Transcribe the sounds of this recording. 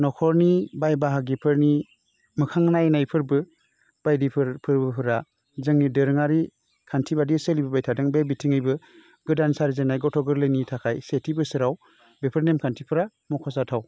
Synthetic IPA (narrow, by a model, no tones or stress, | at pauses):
nɔkʰɔɾnibajbaɦaɡipʰɯɾni | mɯkʰaŋnajnajpʰɯɾbɯ | b̥ajdipʰɾpʰɯɾbɯpʰɯɾa | zɯŋnidɯɾŋaɾi | kʰantʰibadiselibɯbajtʰadɯŋbebitʰiŋɯjbɯ | ɡɯdansaɾizenajɡɔtʰɔɡɯɾlɯjnitʰakʰajsetʰibɯsɯɾaw | bepʰɯɾnemkʰantʰipʰɯɾa | mɔkʰɔsatʰaw